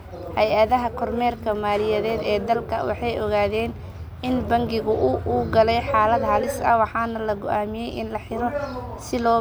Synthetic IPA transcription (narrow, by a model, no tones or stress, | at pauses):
hɛjɐðɐɦɐkʰɔrmɛːrkʰɐmaːlɪjɐðɛːd̪ɛːd̪ɐlkʰɐwɑ̰ħɑjɔɣaːðɛːn | ɪnbɐŋɡɪɣʊʔʊʔuːɡɐlɛjħɑːlɐd̪hɐlɪsɐ̰wɑħɑːnɐlɐɡʊʔaːmɪjɛjʔɪ̰nlɐħɪɾɔ | sɪlɔː